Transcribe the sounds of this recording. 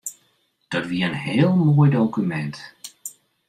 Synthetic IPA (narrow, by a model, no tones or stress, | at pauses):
d̥ɑtʋiːənɦɪːlˠmoːjdowkymɛnt